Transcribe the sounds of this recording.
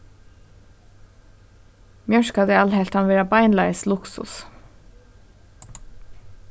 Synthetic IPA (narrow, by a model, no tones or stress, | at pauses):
mjœʃkad̪ɛɑlɦɛlt̪hanvɛːɹabajnlajslʊksʊ̰s